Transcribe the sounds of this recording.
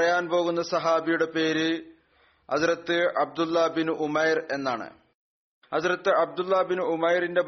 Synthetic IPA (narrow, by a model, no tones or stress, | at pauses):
rɐjaːnpo̞ːɣun̪ːɐsɐɦaːbijuɽe̞pe̞ːɾɨ | hɐðrɐt̪ːɨɐb̚d̪ulːɐbinuʔumɐjre̞nːaːɳɨ̰ | hɐðrɐt̪ːɨʔɐb̚d̪ulːɐbinuumɐjrinde̞b